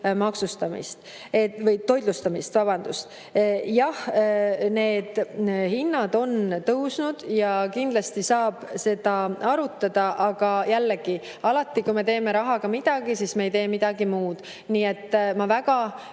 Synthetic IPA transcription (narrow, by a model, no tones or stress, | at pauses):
mɑksust̪ɑmḭst̪ | evɤjt̪ːo̞jd̪lust̪ɑmist̪vɑbɑnd̪̥ust̪ | jɑh | ne̞ːd̪̥hinːɑd̪o̞nt̪ɤwsnud̪̥jɑkind̪lɑst̪isɑːb̥se̞d̪ɑɑɾut̪ːˑɑd̪ɑʔɑɡ̥ɑjælːeɡ̥i | ɑlɑt̪ːˑikume̞t̪e̞ːme̞ɾɑɦɑɡɑmid̪̥ɑɡ̥isiːsme̞ejt̪e̞ːmid̪̥ɑɡimuːd̪̥ | niːe̞t̪ːmɑvæɡɑ